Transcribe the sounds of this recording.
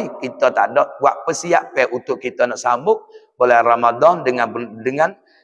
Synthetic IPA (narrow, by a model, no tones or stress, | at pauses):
ikit̪ɔt̪a̰dɔʔ̚waʔpəsiaʔpɛut̪ʊʔkit̪ɔnɔʔsamʊk̚bolɛhramadɔndəŋandəŋan